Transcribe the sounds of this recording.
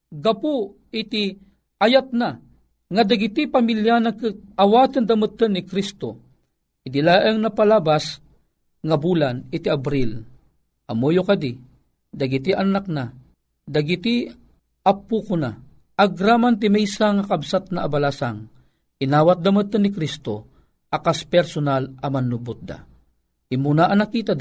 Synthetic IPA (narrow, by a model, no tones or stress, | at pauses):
ɡɐpu | it̪i | ʔajat̪̚na | ŋad̪ɐɡit̪ipamiljanakɨt̪̚ɐwaːt̪ɨnd̪ɐmət̪ːənːikɾist̪o | ɪd̪ilaːʔəŋnɐpalabas | ŋabuːlanit̪iabɾil | ʔɐmojokɐd̪i | d̪ɐɡit̪iʔanak̚na | d̪ɐɡit̪i | apːukʊna | aɡɾaːmant̪ɪmɛjsaŋakabsat̪̚naːbalasaŋ | ʔinaːwat̪̚d̪ɐmɨt̪ːənːikɾist̪o | ɐkaspɛɾsonalɐmɐnubʊt̪̚d̪a̰ | imunaʔɐnakiːt̪ad̪